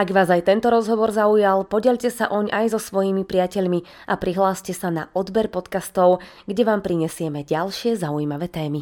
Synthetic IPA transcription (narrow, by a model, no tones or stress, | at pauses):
aɡʋaːzajt̪ɛnt̪ɔɾɔzɦɔʋɔɾzaujalpɔɟɛʎcɛsaʔɔɲajzɔsʋɔjimipɾɪacɛʎmi | ʔapɾiɦlaːscɛsana̰ʔɔd̪bɛɾpɔt̪kast̪ɔʊ | ɡɟɛʋaːmpɾiɲɛsɪɛmɛɟalʃɪɛzaujiːmaʋɛt̪ɛːmi